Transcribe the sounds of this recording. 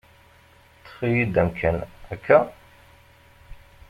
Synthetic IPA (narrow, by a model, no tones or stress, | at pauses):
t͡sːə̥fijid̪æmkʰːænækʰːæ